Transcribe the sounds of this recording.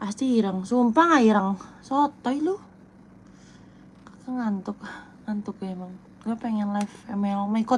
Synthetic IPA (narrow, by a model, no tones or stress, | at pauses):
past̪iːɾəŋsumpaŋaiɾəŋsot̪ɔilu | akaŋant̪ʊka | ŋant̪ʊk̚emaŋ | lapɛŋɛnlafɛmɛmaikɔ